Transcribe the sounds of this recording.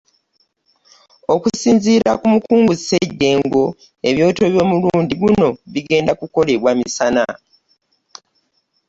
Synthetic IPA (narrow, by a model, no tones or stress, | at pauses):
okusiːnziːɾa̰kumukuːŋɡuzseɟːe̞ːŋɡo̞ | e̞βjo̞ːto̞ːβjo̞ːmuluːndiɡuno̞βiɡe̞ːndakuko̞le̞βwamisana